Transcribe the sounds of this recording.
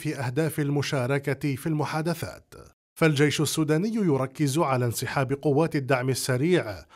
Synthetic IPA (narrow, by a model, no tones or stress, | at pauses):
fiːʔahd̪aːfalmʊʃaːɾˤɑkat̪filmʊħaːd̪aθa̰ːt̪ | fald͡ʒajʃʊsːuːd̪aːnɪjːjʊɾˤɑkːɪzʕalaːnsɨħaːbɪqʊwːaːt̪ɪd̪ːaʕmɪsːaɾiːʕ